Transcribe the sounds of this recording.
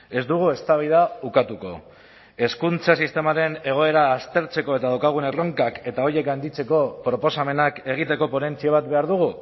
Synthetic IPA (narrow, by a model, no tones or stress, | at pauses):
e̞zd̪uɣ̞ue̞st̪aβiðaukat̪uko̞̰ | e̞skunt͡sasist̪e̞maɾe̞ne̞ɣ̞o̞e̞ɾaːst̪e̞ɾt͡se̞ko̞e̞t̪aðawkaɣ̞unero̞ŋkake̞t̪ao̞je̞kɡand̪it͡se̞ko̞pɾo̞po̞same̞nake̞ɣ̞it̪e̞ko̞po̞ne̞nt͡siaβ̞at̪̚be̞aɾðuɣ̞u